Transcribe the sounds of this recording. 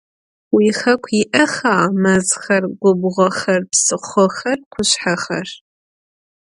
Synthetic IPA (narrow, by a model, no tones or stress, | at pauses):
wixɐkʷʰiʔɐxaːmɐzxɐrɡʷʊbʁʷɔxɐrpsɨχʷɔxɐrqʷʰʊɕħaxɐr